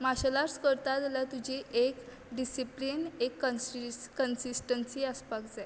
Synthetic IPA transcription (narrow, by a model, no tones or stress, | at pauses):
maɕəlaɾskəɾt̪at̪lat̪ud͡ʑiʔek | ɖisiplinekːəkənsisʈənsiːəspakd͡zae